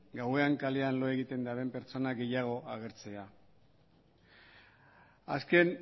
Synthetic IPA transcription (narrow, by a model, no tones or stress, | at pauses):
ɡawe̞aŋkaleanlo̞e̞ɣit̪e̞nd̪aβe̞mpe̞ɾt͡so̞naɡe̞jaɣ̞o̞aɣ̞e̞ɾt͡se̞a | a̰ske̞n